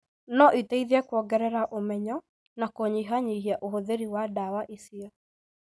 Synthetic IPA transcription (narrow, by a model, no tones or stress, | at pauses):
nɔʔitɛiðiakwɔɡɛɾɛɾaʔomɛɲɔ | nakɔɲiɦaɲiɦiaʔoɦoðeɾiwadawaʔisia